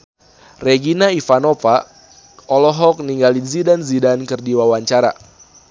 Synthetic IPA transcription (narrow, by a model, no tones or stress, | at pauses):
reɡinaifanofa | ɔlɔɦɔk̚niŋɡalizidanzidankɨrdiwawaɲt͡ʃaɾa̰